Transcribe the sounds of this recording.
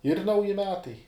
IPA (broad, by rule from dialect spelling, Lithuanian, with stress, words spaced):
ɪr ˈnɐʊjɪ ˈmʲæːtɐɪ